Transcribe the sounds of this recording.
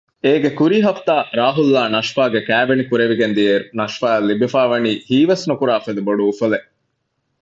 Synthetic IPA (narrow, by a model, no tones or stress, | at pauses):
eːɡekuɾiɦɐft̪aːɾaːɦulːaːnɐʃfaːɡekæːʋenikuɾeʋiɡend̪ieɾunɐʃfaːɐlːibifaːʋɐniːhiːʋɐsnukuɾaːfed̪ɐboɖuːfɐle